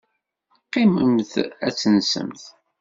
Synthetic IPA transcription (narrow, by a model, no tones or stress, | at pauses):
qːɪməmθæt͡sːənsə̰mθ